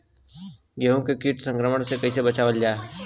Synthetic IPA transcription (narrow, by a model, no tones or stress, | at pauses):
ɡeːɦõkekiːʈsə̃ŋkɾəməɳsekɐisebət͡ʃaːʋəld͡ʒaːe